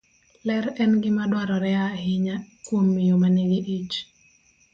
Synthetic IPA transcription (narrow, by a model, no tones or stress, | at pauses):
lɛɾɛnɡɪmadwaɾɔɾɛahɪɲakwomːɪjomaneɡɪʔit͡ʃ